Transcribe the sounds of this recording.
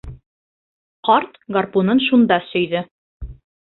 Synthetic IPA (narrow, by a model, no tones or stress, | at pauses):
qɑɾt̪ɡarpunɤnʃund̪ɑsɵ̆jðɘ